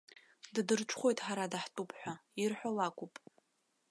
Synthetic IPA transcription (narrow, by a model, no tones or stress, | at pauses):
ddɨrʈ͡ʂʷʰχʷo̞jtʼħaɾadaħtʼupʰʼħʷᶣairħʷᶣalakʷʰʼupʼ